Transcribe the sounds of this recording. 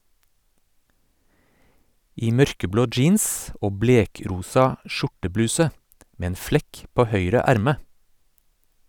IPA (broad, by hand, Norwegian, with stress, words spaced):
ˈiː ˈmœɾkəˌbloː ˈd͡ʒiːns ˈoː ˈbleːˌkɾuːsɑ ˈʃʊʈəˌblʉːsə ˈmeː ˈeːn ˈflɛk ˈpoː ˈhœʏɾə ˈæɾmə